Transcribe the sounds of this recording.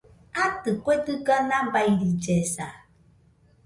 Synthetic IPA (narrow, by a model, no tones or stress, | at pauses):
atɨkʷetɨɡanabaiɾid͡ʒesa